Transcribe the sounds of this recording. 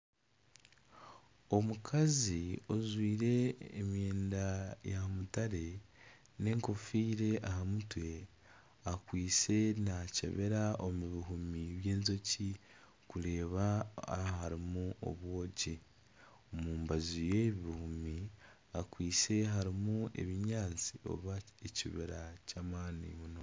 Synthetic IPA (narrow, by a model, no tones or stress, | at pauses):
o̞mukʰazio̞zwiːɾe̞ːmjeːndajamutaɾe̞ | ne̞ːŋko̞fiːɾe̞ʔaɦamutwe̞ | akwiːt͡se̞nacḛβe̞ɾaʔomuβiɦumiβje̞ːnzo̞ci | kuɾe̞ːβahaɾimuʔo̞̰βwo̞ːɟi | omuːmbazijeβiβihumi | akwiːse̞ɦaɾimue̞̰βiɲaːnt͡si̥o̞̰βaeciβiɾacamaːnḭmuno̞